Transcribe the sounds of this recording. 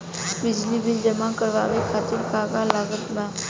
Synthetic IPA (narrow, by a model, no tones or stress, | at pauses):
bid͡ʑlibʱind͡ʒəmãkəɾʋa̰ʋekʰat̪iːɾkaɡalaɡət̪ma